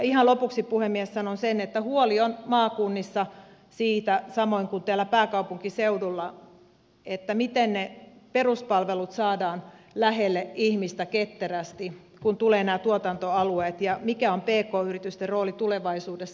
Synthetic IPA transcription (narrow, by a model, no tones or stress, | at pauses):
ihɑnlopuksippuhemːiessɑnonsenet̪ːæhuolionmɑːkunːisːɑ | siːt̪æsɑmoiŋkunt̪eælːæpæːkɑupuŋkiseudulːɑ | et̪ːæmit̪enneperuspɑlʋelut̪sɑːdɑːnlæhelːeihmist̪æket̪ːeræst̪i | kunt̪uleːnæːt̪uot̪ɑnt̪oɑlueːt̪jɑmikæompeːkoːyrit̪yst̪erroːlit̪uleʋɑisuːdesː